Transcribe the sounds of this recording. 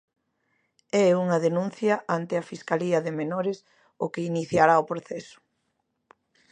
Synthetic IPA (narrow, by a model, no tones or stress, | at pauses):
ɛuŋɐðenũn̟θjɐʔant̪ɪɐfiskaliɐðɪmenoɾɪs | ʊkeiniθjaɾaopɾoθɛsʊ̥